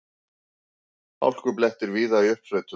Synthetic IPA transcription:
a̰wl̥kʏplɛht̪ɪɾviːðaiʏhpsœɥt̪ʏ

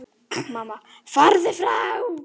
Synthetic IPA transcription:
mama | faɾðɪfɾaw

